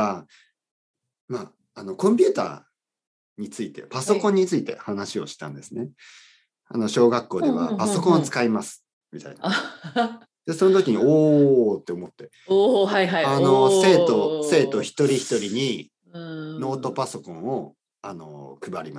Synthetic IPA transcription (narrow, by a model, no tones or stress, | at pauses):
a | maː | no̞kõ̞mp̬ʲɨːt̪a̰ː | ɲ̟it͡sɨit̪e̞paso̞kõ̞ɲ̟ːit͡sɨit̪e̞̰hanaɕio̞ɕi̥t̪ã̰nd̪e̞sɨne̞ | a̰no̞ɕo̞ːɡakːo̞ːd̪e̞βa̰paso̞kõt͡sɨ̥kaimasɨ̥ | mʲit̪a̰ina | d̪̥e̞so̞not̪o̞kʲiɲ̟ioːt̪ːe̞omo̞t̪ːe̞ | ajaano̞se̞ːt̪o̞se̞ːt̪o̞çi̥t̪o̞ɾʲiçi̥t̪o̞ɾʲiɲ̟i | no̞ːt̪o̞paso̞kõ̞ɰ̃o̞ | ano̞̰kɯ̟baɾʲima